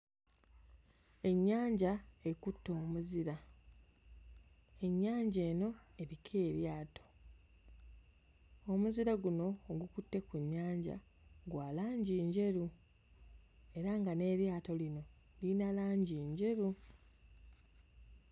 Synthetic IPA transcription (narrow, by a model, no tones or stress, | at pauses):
e̞ɲːaːɲɟae̞kutːo̞ːmuziɾa | e̞ɲːaːɲɟe̞ːno̞e̞ɾikʰeːɾjaːto̞̥ | o̞muziɾaɡuno̞ːɡukutːe̞kuɲːaːɲɟa̰ | ɡwaːlaːɲɟiːɲɟe̞ɾu | e̞ɾaŋɡane̞ɾjaːto̞lino̞ | linalaːɲɟiːɲɟe̞ɾu